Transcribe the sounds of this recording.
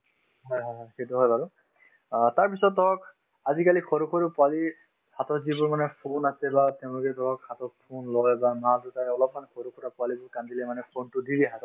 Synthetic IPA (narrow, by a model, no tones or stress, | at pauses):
ɦɔjɦɔjɦɔjxetuɦɔjbaɹʊ | taɹpisɔt̚ːɔɹɔk | azikalikʰɔɹukʰoɹipʊali | hatɔɹzibʊɹmanɛpʰonasɛbatɛʊ̃lɔkɛtɔɹɔkhatɔɹpʰonlɔjbamazutaɹɛɔlɔp̚mankʰoɹukʰɔɹapʊalibʊɹkandilɛmanɛpʰontʊdiɹiɦatɔ